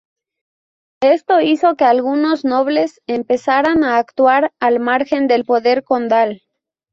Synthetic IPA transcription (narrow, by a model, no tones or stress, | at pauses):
e̞st̪o̞iso̞ke̞alɣuno̞zno̞βle̞se̞mpe̞saɾanaːkt̪waɾalmaɾxe̞nd̪e̞lpo̞ðe̞ɾko̞nd̪al